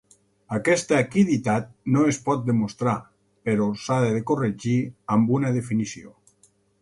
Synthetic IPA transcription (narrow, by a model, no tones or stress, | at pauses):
akɛst̪aːkiðit̪at̪̚noespɔt̪̚d̪emust̪ɾa | peɾosaðeðekoreʒiambunað̞efinisio̰